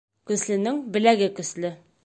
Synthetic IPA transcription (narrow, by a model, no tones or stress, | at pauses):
kɵ̆slɘ̆nɘŋbɘ̆læɡɘkɵ̆slɘ